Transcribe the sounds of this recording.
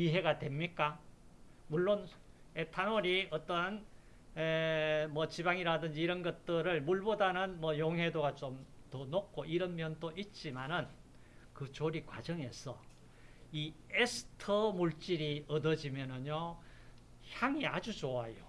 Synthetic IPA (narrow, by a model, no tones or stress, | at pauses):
iɦe̞ɡadwe̞mɲik͈a | muɭːon | etʰanoɾiʌt͈ʌn | emʌt͡ɕibaŋiɾadɯnd͡ʑiːɾʌnɡʌt̚t͈ɯɾɯɭmuɭbodanɯnmʌjoŋɦwe̞doɡat͡ɕomtʌnok̚k͈oʔiɾʌnmjʌntoʔit̚t͡ɕ͈imanɯn | kɯt͡ɕoɾikwa̰d͡ʑʌŋe̞sʰʌ | iesʰɯ̥tʰʌmuɭt͡ɕ͈iɾiʌdʌd͡ʑimjʌnɯɲo | çjaŋiad͡ʑut͡ɕoajo